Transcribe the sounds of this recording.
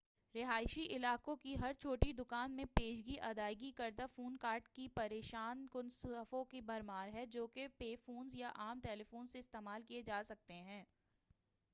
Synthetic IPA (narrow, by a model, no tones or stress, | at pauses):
ɾɪɦaːɪʃiʔɪlaːkõkiɦɐɾt͡ʃʰoːʈid̪ʊkaːnmẽpeːʃɡiʔɐd̪aːɪɡikɐɾd̪afuːnkaːɾʈkipɐɾeːʃaːnkʊnsfõkibɐɾmaːɾɦɛd͡ʒoːkepeːfuːnzjaʔaːmʈɛːlefoːnseɪst̪eːmaːlkied͡ʒaːsɐk̚t̪eɦɛ̃ː